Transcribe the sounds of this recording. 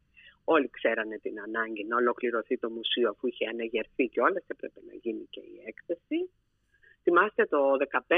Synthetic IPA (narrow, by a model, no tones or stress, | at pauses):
o̞likse̞ɾɐne̞t̪inɐnɐɲɟinɐo̞lo̞kliɾo̞θit̪o̞musioɐfuiçeɐnɐʝe̞ɾθiceo̞lɐsepɾepe̞nɐ̰ʝinice̞̰iekθesi | θimɐst̪e̞t̪o̞ðe̞kɐpe